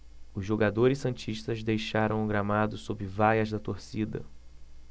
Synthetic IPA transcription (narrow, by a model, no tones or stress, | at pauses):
ʊzʒoɡad̪oɾɪssɐ̃t͡ʃiʃt̪ɐzd̪ejʃaɾɐ̃w̃ʊɡɾamad̪ʊsobɾɪvajɐzd̪ɐt̪oɾsid̪ɐ̰